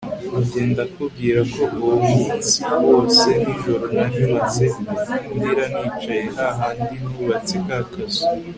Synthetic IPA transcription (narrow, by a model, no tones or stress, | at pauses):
uɟe̞ːndakub̚ɡiːɾako̞ɡoβuukat͡siwo̞ːse̞niʒo̞ɾo̞naɾiβazeindiɾanit͡ʃajeɦaɦaːndinuβat͡sikakazo̥